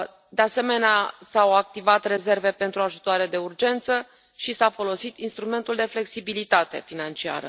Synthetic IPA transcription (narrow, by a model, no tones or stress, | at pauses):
d̪e̞ase̞me̞neasawak̚t̪ivat̪re̞ze̞rve̞pe̞nt̪ɾuaʒut̪oaɾe̞d̪e̞urd͡ʒe̞nt̪sə | ʃisafo̞lo̞sit̪inst̪ɾume̞nt̪uld̪e̞fle̞ksibilit̪at̪e̞̰finant͡ʃia̰ɾə̰